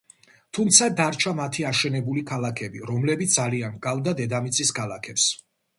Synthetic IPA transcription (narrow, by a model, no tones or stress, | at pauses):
t̪ʰumt̪sʰad̪aɾt͡ʃʰamat̪ʰiaʃɛnɛbulikʰalˠakʰɛbiɾɔmlɛbit̪sd̪aliankʼald̪ad̪ɛd̪amit̪sʼiskʰalˠakʰɛps